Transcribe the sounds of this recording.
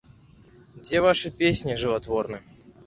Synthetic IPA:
d͡zʲeɛvaʂɨpʲesʲnʲiʐɨvat̪vɔrnɨ

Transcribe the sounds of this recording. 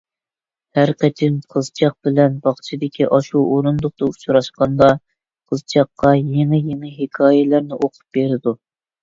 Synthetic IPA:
hæɾqɛt͡ʃʰɪnqʰəzt͡ʃʰɑq̚bɪlɛnbɑχt͡ʃʰid̪ɪkʲʰiʔɑʃuʔoɾund̪ʊχ̚t̪ɑut͡ʃʰɾɑʃqɑnd̪ɑ | qʰəzt͡ʃʰɑqːɑjeŋɪjeŋɪɦekʰɑːjɛlæɾnɪʔoqʰʊ̥p̚beɾɪd̪u

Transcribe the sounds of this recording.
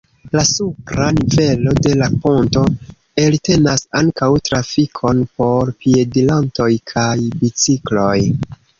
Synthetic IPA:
lasupɾanive̞lo̞de̞lapo̞nto̞ | elte̞nasaŋkawtɾafikʰo̞npo̞ɾpie̞dilanto̞jkʰajbit͡siklo̞j

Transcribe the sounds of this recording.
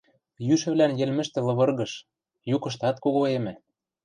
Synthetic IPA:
jyʃɘ̆βlænjɘ̆lmɘ̆ʃt̪ɘ̆lɤ̆βɤ̆rɣɤ̆ʃ | jukɤ̆ʃ̬t̪ɑt̪koɣoemɘ̆

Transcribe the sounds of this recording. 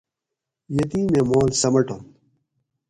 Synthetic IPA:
jɐt̪ĩːmemoːlsɐmɐʈon

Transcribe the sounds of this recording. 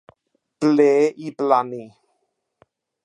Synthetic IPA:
pleʔiplani

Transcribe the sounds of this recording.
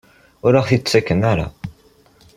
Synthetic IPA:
ʊɾaʁθit͡sːækːənæɾa̰

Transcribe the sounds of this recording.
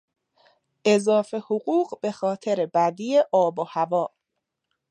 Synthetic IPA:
ʔe̞zɒːfe̞hoɣuːɢbe̞xɒːt̪ʰeɾebæd̪iːeʔɒːbohævɒː

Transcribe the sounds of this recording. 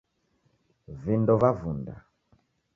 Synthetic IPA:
vindɔvavunda̰

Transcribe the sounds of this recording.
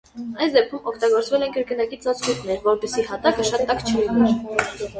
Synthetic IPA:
ɑjsd̪ɛp̚kʰumɔkʰt̪ɑɡɔɾt͡svɛlɛnkəɾkənɑkit͡sɑt͡skut̪nɛɾvɔɾpɛsihɑt̪ɑkəʃɑt̪ːɑkt͡ʃʰəlinɛɾ

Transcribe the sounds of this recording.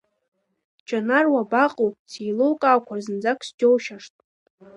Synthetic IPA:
d͡ʒʰʼanarwabaqʼowpʼt͡sʰijlowkʼaːkʷʰarzɨnd͡zakʷʰsd͡ʒowʃaʂtʼ

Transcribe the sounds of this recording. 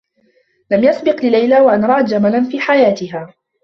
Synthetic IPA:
lamjasbɪqlɪlajlaːwaʔanɾˤɑːʔt̪d͡ʒamalanfiːħajaːt̪ɪɦaː

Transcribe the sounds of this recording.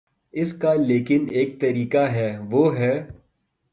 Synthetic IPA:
ɪskaleːkɪneːk̚t̪ɐɾiːkaɦɛːʋoːɦɛː

